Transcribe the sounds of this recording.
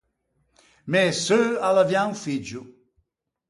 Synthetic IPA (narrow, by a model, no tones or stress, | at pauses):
mɛsøalavjãŋfid͡ʒu